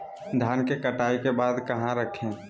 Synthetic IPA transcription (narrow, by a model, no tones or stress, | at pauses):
d̪ʱjaːnkekəʈaːikebaːd̪kəɦãɾəkʰẽ